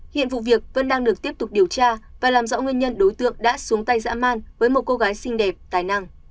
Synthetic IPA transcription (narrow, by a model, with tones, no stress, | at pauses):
hḭ˧˨ənvṵ˧˨vi˨˩ək̚və̰˧˥nɗaː˧ŋɗɨ˨˩ək̚t̪i˦˥əp̚t̪ʊ˨˩k͡p̚ɗi˨˩əwt͡ɕaː˧vaː˨˩laː˨˩mzɔ̰˧˥ŋwi˧ənɲə˧nɗo˨˦jt̪ɨ̰˧˨əŋɗa̰ː˧˥su˨˦əŋt̪a˧jza̰ː˧˥ma̰ː˧nvəː˨˦jmo˨˩t̚ko˧ɣaː˨˦jsï˧ŋ̟ɗɛ˨˩p̚t̪aː˨˩jna˧ŋ